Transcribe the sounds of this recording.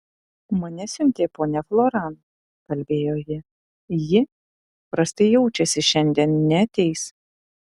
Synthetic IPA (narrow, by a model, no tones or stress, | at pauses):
mɐnʲɛsʲʊnʲt̪ʲeːpoːnʲɛflˠoːɾɑn | kɐlʲbʲeːjoːjɪ | jɪ | pɾɐsʲt̪ɐɪjɛʊt͡ʃʲɛsʲɪʃʲɛnʲd̪ʲiɛnnʲɛɐt̪ʲɛɪs